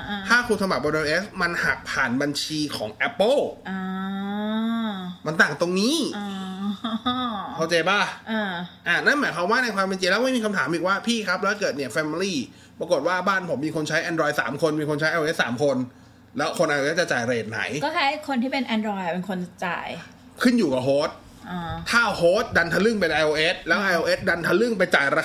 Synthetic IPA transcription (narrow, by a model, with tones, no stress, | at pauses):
t̪ʰaː˥˩kʰuː˧t̪ʰa˧mba˨˩p̚wɔː˧e˧ʔeː˦˥sma˧nha˨˩k̚pʰaː˨˩nba˧nt͡ɕʰiː˧kʰɔ̰ː˩˦ŋʔɛ˦˥pːɤ˥˩lʔa˧˩ | ma˧nt̪aː˨˩ŋt̪o˧ŋniː˦˥ | a˥˩t͡ɕa˧jbaː˥˩ʔaː˧˩ʔa˧˩na˥˩nmaː˨˦jkʰa˦˥˦waː˥˩na˧jkwaː˧me˧nt͡ɕi˧lɛː˦˥wma˥˩jmiː˧kʰa˧mt̪ʰaː˩˦mʔiː˨˩k̚waː˥˩pʰiː˥˩kʰa˦˥p̚lɛː˦˥kɤː˨˩t̪̚ni˥˩əfɛ˧mi˧liː˥˩ | pɾa˧ko˨˩t̪̚waː˥˩baː˥˩npʰo˩˦mːiː˧kʰo˧nt͡ɕʰa˦˥jʔɛː˧ndɾɔː˧jsa̰ː˩˦mkʰo˧nmiː˧kʰo˧nt͡ɕʰa˦˥jʔaː˧e˦˥sa̰ː˩˦mkʰo˧n | lɛː˦˥wkʰo˧nʔa˧jo˧e˦˥t͡ɕa˨˩t͡ɕa̰ː˨˩jɾa˧eː˨˩na̰˩˦jkɔː˥˩t͡ɕʰa˦˥kʰo˧nt̪ʰiː˥˩pe˧nʔɛ˧ndɾɔː˧jpe˧nkʰo˧nt͡ɕa̰ː˨˩j | kʰɯ˥˩njuː˨˩ka˨˩ɦoː˦˥t̪̚ | ʔɔː˧˩t̪ʰaː˥˩hoː˦˥t̪̚da˧nt̪ʰa˧lɯ˥˩ŋpe˧nʔa˧jʔo˧ʔe˦˥t̪̚lɛː˦˥wʔa˧jʔoː˧ʔe˦˥t̪̚da˧nt̪ʰa˧lɯ˥˩ŋpa˧jt͡ɕaː˨˩jɾa˧